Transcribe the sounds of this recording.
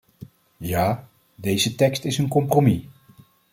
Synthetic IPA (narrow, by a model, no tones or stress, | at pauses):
jaː | dejzətɛkstɪsənkɔmpromi